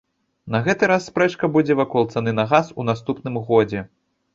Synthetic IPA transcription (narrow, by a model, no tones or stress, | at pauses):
nɐɣɛt̪ɨɾasːpɾɛt͡ʂkɐbud͡zʲɛvakɔlˠt̪sanɨnɐɣasunast̪upnɨmɣɔd͡zʲɛ